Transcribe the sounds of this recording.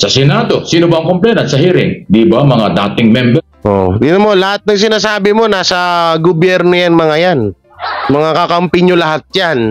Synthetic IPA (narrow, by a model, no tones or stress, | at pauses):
sɐsɛnad̪osiːnobɐʔɐŋkomplɛnɐt̪sɐhiːɾɪŋd̪ibɐmɐŋad̪aːt̪ɪŋmɛmbɛ | ʔo̰d̪inomo̞lɐhat̪̚nɐŋsɪnaːsaːbɪmo̞nasɐɡobjɛɾnojanmɐŋajan | mɐŋakɐkɐmpɪɲolɐhat̪̚d͡ʒan